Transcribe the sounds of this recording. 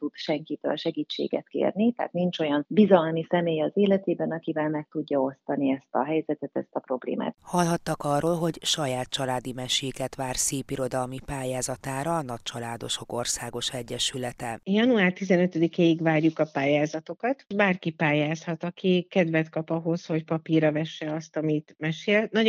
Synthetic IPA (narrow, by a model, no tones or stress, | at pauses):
t̪ud̪ʃɛŋkit̪ø̰ːlʃɛɡiːt͡ʃːḛːɡɛ̰t̪kḛːrnit̪a̰ːt̪nint͡ʃo̞jɒnbizɒlmisɛmeːjɒzeːlɛt̪eːbɛnɒkivɛlmɛk̚t̪uɟːɒo̞st̪ɒniɛst̪ɒ̰ɦɛjzɛt̪ɛt̪ɛst̪ɒpɾo̞blḛːma̰ːt̪hɒlɦɒt̪ːɒkɒrːoːlɦo̞ɟʃɒjaːt̪̚t͡ʃɒlaːd̪imɛʃeːkɛt̪ʋaːrseːpiɾo̞d̪ɒlmipaːjaːzɒt̪aːɾɒːnɒc̚t͡ʃɒlaːd̪o̞̰ʃo̞ko̞rsaːɡo̞ʃɛɟːɛʃylɛt̪ɛjɒnuaːrt̪izɛnø̞t̪ød̪ikeːiɡvaːrjukɒpaːjaːzɒt̪o̞kɒt̪baːrkipaːjaːshɒt̪ɒkʰikɛd̪vɛt̪kɒpɒɦo̞sho̞cpɒpirɒvɛʃːɛɒst̪ɒmit̪mɛʃeːlnɒ